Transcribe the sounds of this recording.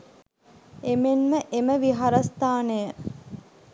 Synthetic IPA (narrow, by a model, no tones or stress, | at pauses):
emenməʔeməʋiɦaɾɐst̪aːnejə